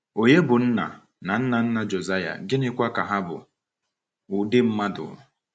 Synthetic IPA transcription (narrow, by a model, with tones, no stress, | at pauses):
o˨ɲe˦bʊ˨n̩˦na̰˨ | na˨n̩˦na˨n̩˦na˦d͡ʒo˨za˦ja̰˨ɡɪ˦nɪ˦kʷa˦ka˨ɦa˦bʊ̰˨ | ʊ˨dɪ˦m̩˦ma˦dʊ̰˨ʊ˨